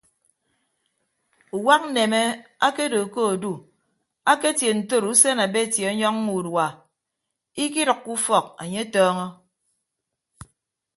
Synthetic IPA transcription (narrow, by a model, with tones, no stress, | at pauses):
u˨wa˦k̚n̩˦ne˨me˦a˦ke˦do˨ko˦o˨du˨ | a˦ke˦tje˨n̩˨to˦˨ɾu˦se˦na˨be˦˨tje˨ɔ˦ɲɔ˦ŋ˦ŋu˨dwa˨ | i˦ki˦ɾɨ˨kːu˦fɔ˨k̚a̰˨ɲe˦tɔː˦ŋɔ˦